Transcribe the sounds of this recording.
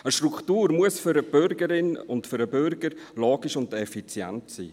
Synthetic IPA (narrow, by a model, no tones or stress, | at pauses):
əʃtɾukχtuːɾmuəsfʏɾəb̥ʏɾɡəɾɪnʊntfʏɾəbʏɾɡəɾloːɡiʃʊndɛfit͡sjɛ̰ntsḭː